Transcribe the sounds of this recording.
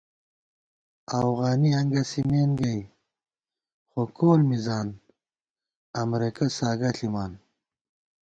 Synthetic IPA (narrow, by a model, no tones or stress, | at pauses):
ɐfɣaːniɐŋɡɐsimeːnɡɐj | xokʰoːlmizaːn | ɐmɾekɐsaːɡɐɬimaːn